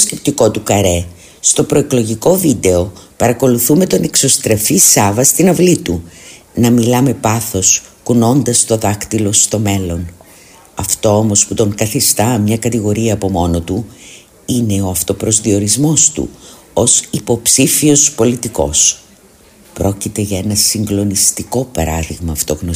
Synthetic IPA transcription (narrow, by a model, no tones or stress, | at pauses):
osce̞p̚t̪iko̞t̪ukɐɾe̞ | st̪o̞pɾo̞e̞klo̞ʝiko̞vid̪e̞o̞pɐɾɐko̞luθume̞t̪o̞ne̞kso̞st̪ɾe̞fisɐvɐst̪inɐvlit̪u | nɐmilɐme̞pɐθo̞skuno̞nd̪ɐst̪o̞ðɐkt̪ilo̞st̪o̞me̞lo̞n | ɐft̪o̞o̞mo̞sput̪o̞ŋkɐθist̪ɐmɲɐkɐt̪iɣo̞ɾiɐːpo̞mo̞no̞t̪u | ine̞o̞ɐft̪o̞pɾo̞zðio̞ɾizmo̞st̪ṵ | o̞sipo̞psifio̞spo̞lit̪iko̞̰s | pɾo̞cit̪e̞ʝɐe̞nɐsiŋɡlo̞nist̪iko̞pɐɾɐðiɣmɐːft̪o̞ɣno